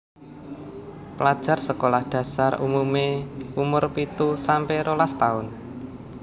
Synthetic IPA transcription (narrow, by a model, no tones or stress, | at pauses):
pəlad̥ʒ̥a̤rsəkolahd̪̥ä̤sarṵmumeumʊrpit̪usampeɾolast̪aʊn